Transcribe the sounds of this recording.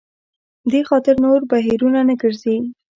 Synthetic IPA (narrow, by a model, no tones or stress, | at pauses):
d̪exɑt̪ɪɾnoɾbaɦiɾunanəɡəɾze